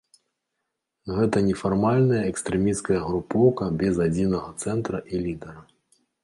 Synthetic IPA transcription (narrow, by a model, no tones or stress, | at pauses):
ɣɛt̪ɐnʲɛfarmalʲnɐjɐɛkst̪ɾɛmʲiskɐjɐɣɾupɔwkɐbʲɛzad͡zʲinɐɣɐt̪sɛnt̪ɾɐʔilʲid̪ɛɾɐ